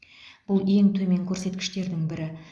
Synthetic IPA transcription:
b̥ʊlˠe̞ŋt̪ʰɵme̞ŋkʲʰɵɾse̞t̪kʲɪ̥ʃt̪e̞ɾd̪ɪŋbɪɾɪ

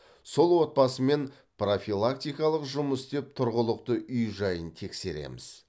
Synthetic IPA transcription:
so̞lˠwo̞t̪̚pɑsəme̞n | pro̞filˠak̚t̪ʲijkɑlˠəqʒʊməsd̪e̞p̚t̪ʰʊɾʁəlˠəqt̪əʔʏjʒɑjənt̪ʰe̞kse̞ɾe̞̰mɪ̰z

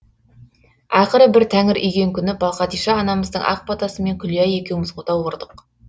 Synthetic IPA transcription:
ɑjqəɾəbɪɾt̪ʰæŋɪɾʔʏ̰jɡʲe̞ŋkʲʰʏnɪbɑlˠqɑt̪ijʃɑːnɑməzd̪əɴʔɑ̰q̚pɑt̪ɑsəme̞ŋkʲʰʏlijæje̞kʲe̞wɪmɪzqʰot̪ɑwwoɾd̪əq

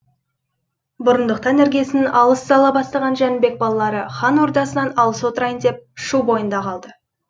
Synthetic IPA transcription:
bʊɾənd̪əq̚t̪ɑnːæɾɡʲijesɪnɪnɑlˠəszɑlˠɑbɑst̪ɑʁɑnʒænɪbe̞k̚bɑlˠɑlˠɑɾəχɑnwo̞ɾd̪ɑsənɑnɑlˠəswo̞t̪əɾɑjənd̪e̞p̚ʃubo̞jənd̪ɑqʰɑlˠd̪ə

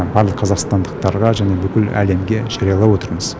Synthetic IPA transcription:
bɑɾlˠəqʰːɑzɑqst̪ɑnd̪əq̚t̪ɑɾʁɑʒæne̞bʏkʲɪlæ̰le̞mɡʲe̞ʒ̥ɑɾijɑlˠɑwo̞t̪əɾməz̥

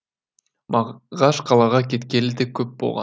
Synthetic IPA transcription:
mɑʁɑʃqʰɑlˠɑʁɑkʲʰe̞t̪kʲe̞lɪd̪ekʲʰɵp̚bo̞lˠʁɑ̰n

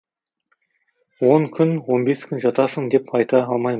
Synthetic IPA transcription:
wo̞ŋkʲʰʏnwo̞nbe̞skʲʰʏnʒɑt̪ɑsəŋd̪e̞pʰɑjt̪ɑɑlˠmɑjm

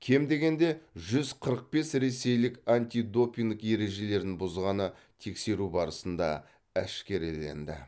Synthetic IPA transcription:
kʲʰe̞md̪e̞ɡʲe̞nd̪e̞ʒʏzqʰəɾəq̚pe̞sɾe̞se̞jlɪkanʲt̪ʲid̪o̞pʲiŋd̪kje̞ɾe̞ʒe̞le̞ɾd̪ɪŋbʊzʁɑnə | t̪ʰe̞kse̞ɾubɑɾəsənd̪ɑ̰ | æʃkʲe̞ɾle̞̰nd̪ɪ̰

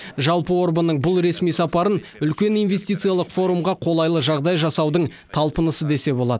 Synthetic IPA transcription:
ʒɑlˠpəwo̞ɾbənːəɴbʊlˠɾe̞smijsɑpɑɾənʏlkʲe̞nijnve̞st̪ijt̪sɨjalˠəqfo̞ɾumʁɑqʰo̞lˠɑjlˠəʒɑʁd̪ɑjʒɑsɑwd̪əɴt̪ʰɑlˠpənəsəd̪e̞se̞bo̞lˠɑd̪ə

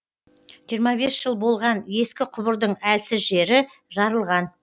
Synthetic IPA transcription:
ʒ̥ijɾmɑbe̞sʒ̥əlˠbo̞lˠʁɑnje̞skʲɪqʰʊbəɾd̪əɴælsɪzʒe̞ɾɪ | ʒɑɾəlˠʁɑn

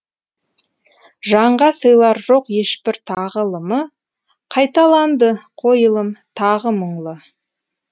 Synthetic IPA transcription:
ʒɑɴʁɑsəjlˠɑɾʒo̞qje̞ʃpɪɾt̪ʰɑʁəlˠəmə | qʰɑjt̪ɑlˠɑnd̪əqʰo̞jəlˠəmt̪ʰɑʁəməɴlˠə

